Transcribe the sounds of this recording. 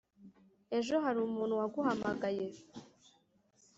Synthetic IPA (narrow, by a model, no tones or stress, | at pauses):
e̞ʒo̞ɦaɾumuːnhuwaɡuhamaɡaje